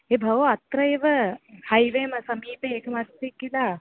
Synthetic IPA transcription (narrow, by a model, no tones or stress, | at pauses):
eːbʱɐʋoɐt̪ɾɐeːʋɐhɐjʋeːmɐsɐmiːpeːeːkɐmɐst̪ikːila